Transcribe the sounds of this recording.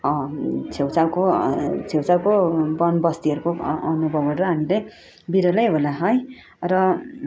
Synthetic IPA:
ʌt͡sʰewt͡sawkot͡sʰewt͡sawkobʌnbʌst̪iɦʌɾukoʌnubʱʌbʌɽrʌɦamile | biɾʌlʌjɦolaɦʌj | rʌ

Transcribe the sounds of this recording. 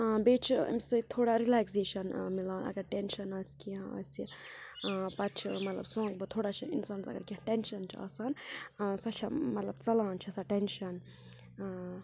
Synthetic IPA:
beːt͡ʃʰɐ̰msɨt̪ʰoːɽaɾilaːkseːʃɐnmilaːnɐ̰ɡɐɾʈenʃɐnɐsʲkiãɐ̰sʲi | pɐt͡ʃʰmɐt̪lɐ̰bsõːŋɡbɨt̪ʰoːɽat͡ʃʰɐḭnsaːnzɐ̰ɡɐɾkiãʈenʃɐnt͡ʃʰia̰ːsaːnːsɐt͡ʃʰɐmɐt̪lɐbt͡sɐlãːnt͡ʃʰɐsaʈenʃɐn

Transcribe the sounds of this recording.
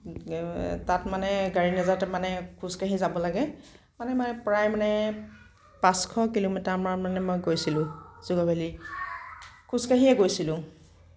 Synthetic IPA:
tatmanɛɡaɹinazaɹtɛmanɛkʰuskaɦizabɔlaɡɛ | manɛmanɛpɹajmanɛ | pãskʰɔkilomitaɹmaɹmanɛmɔjɡojsilʊ̃z̥uɡabali | kuskaɦiɛɡojsilʊ̃

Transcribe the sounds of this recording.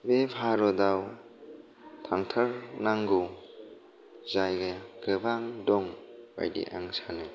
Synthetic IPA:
bepʰaɾɔdaw | tʰaŋtʰəɾnaŋɡu | zajɡaɡɯbaŋdɔŋba̰jdḭʔa̰ŋsanɯ

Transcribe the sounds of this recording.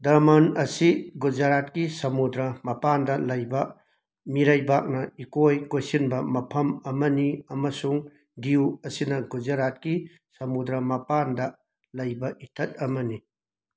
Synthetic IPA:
dɐɾmanɐsiɡud͡ʒaɾat̚kisɐmud̪ɾɐmɐpandɐlɐjbɐ | miɾajbak̚nɐikojkojsinbɐmɐpʰɐmɐmɐniɐmɐsuŋ | diwɐsinɐɡud͡ʒaɾat̚ki | sɐmudɾɐmɐpandɐ | lɐjbɐʔitʰɐt̚ɐmɐni

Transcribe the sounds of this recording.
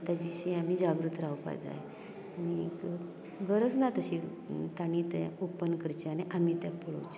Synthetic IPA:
t̪ad͡ʑiɕĩam̤iːd͡ʑaɡɾut̪ʰɾawpa̰d͡za̰j | anik | ɡəɾəd͡znat̪əɕi | t̪añit̪ɛopənkəɾt͡ɕianeʔam̤it̪japəɭo̰wt͡ɕe

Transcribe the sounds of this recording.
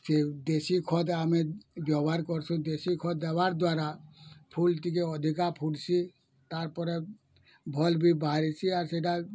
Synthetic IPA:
sed̪esikʰɔd̪amibjɔbaɾkɔɾt͡ʃʰũd̪esikʰɔd̪d̪ebaɾd̪waɾapʰult̪ikeɔd̪ʱikapʰuɽt͡ʃʰi | t̪aɾpɔɾe | bʱɔlbʱibaɾit͡ʃʰiaɾseʈa

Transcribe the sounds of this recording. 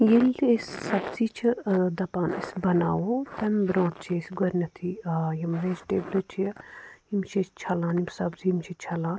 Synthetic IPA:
jelʲesːɐbziːt͡ʃʰid̪ɐpaːnḭsbɐna̰ːwot̪ɐmbɾõːʈt͡ʃʰesɡɐɾnʲɐt̪ʰijɐmɾeːd͡ʒʈeːblɐt͡ʃʰiimt͡ʃʰit͡ʃt͡ʃʰɐlaːnimsɐbziimt͡ʃʰit͡ʃʰɐlãːn

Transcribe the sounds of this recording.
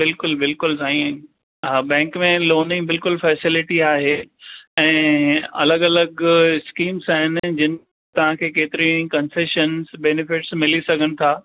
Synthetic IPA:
bɪlkʊlbɪlkʊlsaːĩ | ɦaːbɛ̃ːŋkmẽloːnɪ̃ŋbɪlkʊlfɛːsɪlɪʈiaːɦeːɛ̃ːɐ̰ləɠɐləɡskiːmzaːɦɪn̆d͡ʑɪnɪ | t̪ɐʋ̤ãkʰeːkeːt̪ɪɾĩkɐ̃nseːʃənzbɛːnɪfɪʈsmɪlisɐɡʱənɪ̆t̪ʰaː

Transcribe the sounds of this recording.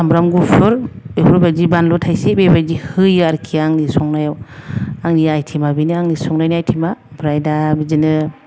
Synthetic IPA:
sambɾamɡupʰɯɾepʰuɾbajd͡ʒibanlɔtʰajsebebad͡ʒihɯjɯaɾkʰiaŋnisɔŋnajawaŋniajtʰimabiniaŋnisɔŋnajniajtʰimabɾajdabid͡ʒinɯ

